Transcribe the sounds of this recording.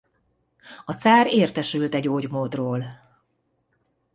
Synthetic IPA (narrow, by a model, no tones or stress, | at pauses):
ɒt̪saːɾeːrt̪ɛʃylt̪ɛɟoːɟmoːd̪roːl